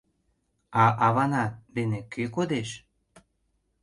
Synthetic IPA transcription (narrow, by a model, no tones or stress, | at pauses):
ɑʔɑβɑnɑd̪enekøkod̪eʃ